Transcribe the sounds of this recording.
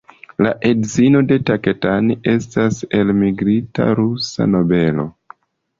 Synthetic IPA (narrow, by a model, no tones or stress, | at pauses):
laʔe̞dzino̞de̞take̞taniʔe̞stase̞lmiɡɾita̰ɾusa̰no̞be̞lo̞̰